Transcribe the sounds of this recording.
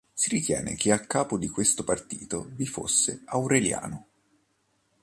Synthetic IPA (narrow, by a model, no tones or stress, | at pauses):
siɾit̪jɛ̰ːnḛk̟eakːaːpod̪ikwest̪opart̪ḭːt̪ovifo̰sːeawɾelja̰ːno